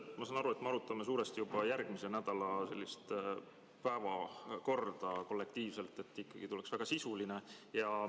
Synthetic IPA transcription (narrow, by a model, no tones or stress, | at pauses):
mɑsɑnɑɾuet̪meɑɾut̪ːˑɑmes̬uːɾest̪ijub̥ɑjærɡ̥mise̞næd̪̥ɑlɑse̞lːist̪ | pæevɑko̞rd̪̥ɑko̞lːe̞k̚t̪iːvse̞lt̪ːˑe̞t̪ːikːɑɡ̥it̪uleksvæɡ̥ɑsisulinejɑ